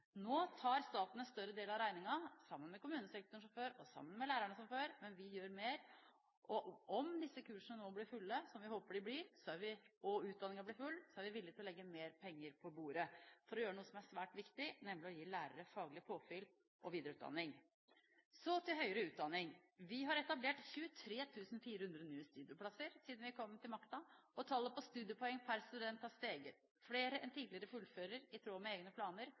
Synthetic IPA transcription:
noːt̪ʰɑːɾst̪ɑːt̪n̩ɛst̪œɾəd̪eːlɑɾæɪnɪŋɑsɑmːənmɛkʊmʉːnəsɛk̚t̪ʊɳʂʊføːɾɔsɑ̰mːənmɛlæːɾæɳəsɔmføːɾmɛnʋɪjøːɾmeːɾ | ʔɔɔmd̪ɪsːəkʉːʂənənoːblɪɾfʉlːəsɔmʋɪhoːpəɖɪblɪɾsɔæɾʋɪɔʉːt̪̚d̪ɑnɪŋɑblɪɾfʉlːsɔæɾʋɪʋɪlːɪɡ̚t̪ɪlɔlɛɡːəmeːɾpʰɛŋːəɾpʰɔbuːɾəfɔɾɔjøːɾənuːəsɔmæʂʋæːʈʋɪkt̪ɪnɛmlɪɔjiːlæːɾə̰ɾəfɑːɡlɪpʰoːfɪl | ʔɔʋiːd̪əɾəʉːt̪d̪ɑ̰nːɪŋ | sɔt̪ʰɪlɦœʏəɾəʉːt̪̚d̪ɑnːɪŋʋɪɦɑɾɛt̪ɑbleːʈçʉːət̪ʰɾeːt̪ʰʉːsnfiːɾəhʉnd̪ɾənyːəst̪ʉːd̪ɪʊpʰlɑsəɾsiːd̪n̩ʋɪkʰɔmːt̪ʰɪlmɑkt̪ɑɔt̪ʰɑːlːəpɔst̪ʉːd̪ɪʊpʰɔɛŋːpʰæɾst̪ʉd̪ɛnt̪ɑʋst̪eːɡə | fleːɾəʔɛnt̪ʰiːd̪lɪəɾəfʉlːføːɾəɾɪt̪ʰɾoːmɛeːɡnəpʰlɑːnəɾ

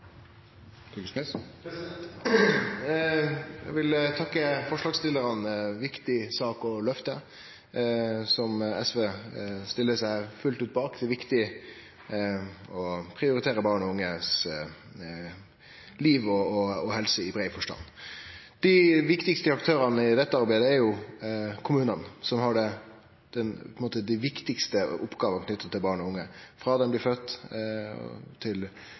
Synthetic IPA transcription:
t̪ʰːksmɪs | jæ̰ɪɡʋɪlt̪ʰɑkːəfɔʂlɑːɡst̪ɪlːəɾənʋɪkt̪ɪsɑːkɔlœft̪ə | sɔmɛsʋeːst̪ɪlːəsæɪfʉlt̪ʉːt̪̚bɑːkt̪ɪʋɪkt̪ɪ | ɔpʰɾɪʊɾɪt̪ʰeːɾəbɑːʁɳɔʊŋːəs | liːʋɔɔɔhɛlsəɪbɾeɪfɔʂʈɑ̰n | d̪̥ɪʋɪkt̪ɪkst̪əɑk̚t̪ʰøːɾənəɪd̪ɛt̪ːəɑɾbæɪd̪əæɾjʊ | kʰʊmʉːnənsɔmhɑɖɛ | d̪̥ɛnpʰɔnmoːt̪əd̪ɪʋɪkt̪ɪkst̪əʔʊpːɡɑːʋənkʰnʏt̪ːət̪ʰɪlbɑːɳɔʊŋːəfɾɑd̪ɛmblɪːfœt̪ː | t̪ʰɪl

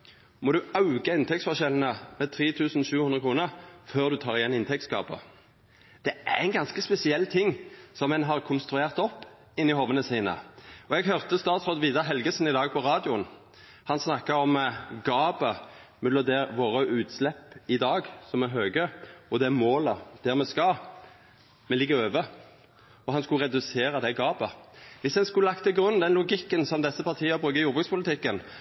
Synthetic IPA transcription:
mɔd̪ʉɑʉɡəɪnt̪ʰɛk̚t̪sfɔʁʃɛln̩əmɛt̪ʰɾiːt̪ʰʉːsn̩ʃʉːʉnʁəkʰʁuːnəʁføːʁd̪ʉt̪ʰɑːʁɪjɛnːɪnt̪ʰɛk̚t̪sɡɑ̰ːbə̰ | d̪̥ɛæʁɛɪnɡɑnskəspɛsɪɛlːt̪ʰɪŋːsɔmːɛnɦɑʁkʰʊnst̪ɾʉeːʁt̪ɔpː | ɪnːɪhoːʋənəsiːnə̰ɔɛɡɦœʁt̪əst̪ɑːt̪sʁoːd̪ʋiːd̪ɑɦɛlɡəsn̩ɪd̪ɑːɡ̚pʰɔʁɑːd̪ɪʊən | hɑnsnɑkːəɔmɡɑːbəmɛləd̪eːɾʋoːɾəʔʉːt̪slɛpːɪd̪ɑːɡsɔmɛɦøːɡəɔd̪ɛmoːləd̪̥æʁmɛskɑ | mɛlɪɡːəʁøːʋə | ɔɦɑnskʉʁɛd̪ʉseːɾɑd̪ɛɡɑːbəʋɪsd̪ɛnskʉləlɑkt̪ʰɪlɡʁʉnːd̪ɛnlʊɡɪkːənsɔmd̪ɛsːəpʰɑʁt̪ʰiːəbʁʉːɡəjuːʁbʉk̪spʊlɪt̪ʰɪkːən

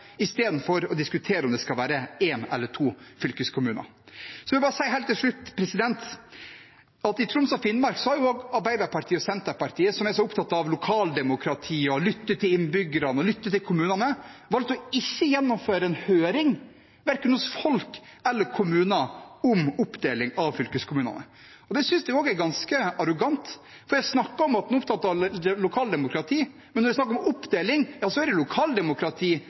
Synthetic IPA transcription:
ɪst̪eːd̪n̩fɔɾɔd̪ɪskʉt̪ʰeːɾəɔmd̪ɛskɑlʋæːɾəeːnɛ̰lːəʈʰuːfʏlkəskʰʊmʉːnɑ̰ | sɔʋɪbɑːɾəsæɪhæɪlt̪ɪlʂɭʉt̪ːpʰɾɛsɪd̪ɛnt̪ | ɑt̪ɪt̪ʰɾʊmsɑfɪnmɑɾksɔhɑɾjʊoːɡɑɾbæɪd̪ɑɾpʰɑɾʈʰiːɔsɛnt̪əɾpɑɾʈ̪ʰiːəsɔmæɾʂɔʊpt̪ʰɑt̪ːɑʋlʊkʰɑːld̪ɛmʊkʰɾɑt̪ʰiːɔlʏt̪ːət̪ʰɪlɪnbʏɡəɾɑnəɔlʏt̪ːət̪ɪlkʰʊmʉːnɑnəʋɑlt̪ɔɪçːəjɛnːɔmføːɾəɛnhøːɾɪŋ | ʋæɾkənhʊsfɔlkɛlːəɾkʰʊmʉːnəɔmʊpd̪eːlɪŋɑʋfʏlkəskʰʊmʉːnɑ̰nə̰ | ɔd̪ɛsʏnsd̪ɛoːɡæɾɡɑnskəɑɾʊɡɑnt̪ | fɔɾjæɪsnɑkːɑɾɔmɑt̪̚nuːʊp̚t̪ʰɑt̪ːɑʋlʊkʰɑːld̪ɛmʊkɾɑt̪ʰiː | mɛnːɔdɛsnɑkːɾɔmʊpːd̪eːlɪŋjɑːsɔæɾɛlʊkʰɑːld̪ɛmʊkʰɾɑt̪ʰiː

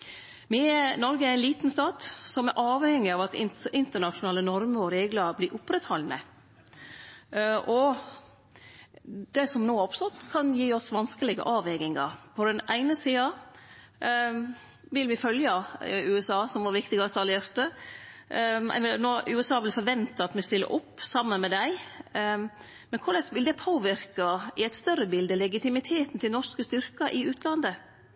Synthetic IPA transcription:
mɪɛnɔɾɡəæɾæɪnliːt̪nst̪ɑːt̪sɔmæɾʔɑːʋhɛŋːɪɑːʋɑt̪ɪɪnt̪əɳɑʂʊnɑːlənɔɾməɾɔɾeːɡləɾblɪːʔʊpːɾɛt̪hɔlnə | ʔɔ | d̪̥ɛsɔmnoːɔpst̪ɔt̪ːkʰɑnjiːɔsʋɑnskəlɪɡə̰ʔɑːʋɛɡɪŋɑ̰ɾpʰɔd̪ɛnʔæɪnəsiːɑ | ʋɪlʋɪfœljəʉːɛsɑːsɔmʋɑɾʋɪkt̪ɪɡɑst̪ɑleːɾt̪ə | ɛ̰ʋɪnoːʔʉːɛsɑːʋɪlfɔɾʋɛnt̪əɑt̪mɛst̪ɪlːə̰ɾʔɔpːsɑmːənmɛd̪æɪ | mɛnkʰʊɭɛsʋɪld̪ɛpʰoːʋɪɾkɑɪæɪt̪st̪œɾəbɪld̪əlɛɡɪt̪ɪmɪt̪ʰeːt̪n̩t̪ʰɪlnɔʂkəst̪ʏɾkɑʔɪʉːt̪ʰlɑnd̪ə

